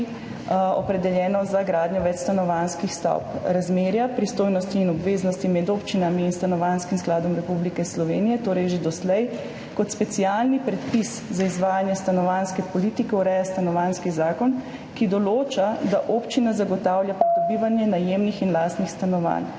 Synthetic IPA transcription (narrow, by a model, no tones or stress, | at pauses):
ɔ̰pɾɛd̪ɛljɛːnɔzaɡɾaːd̪njɔʋɛt͡ʃst̪anɔʋanskixst̪ɔ̰wpɾazmeːɾjapɾist̪oːjnɔst̪iːnɔbʋeːznɔst̪imɛd̪oːpt͡ʃinamiːnst̪anɔʋaːnskimsklaːd̪ɔmɾɛpublikɛslɔʋeːnijɛt̪oːɾɛjʒed̪ɔslɛj | kɔt̪spɛt̪sialnipɾɛt̪piszaizʋaːjanjɛst̪anɔʋanskɛpɔlit̪ikɛuɾɛjast̪anɔʋaːnskizaːkɔn | kid̪ɔloːt͡ʃad̪aʔoːpt͡ʃinazaɡɔt̪aːwljapɾid̪ɔbiːʋanjɛnajeːmnixinlaːst̪nixst̪anɔʋa̰n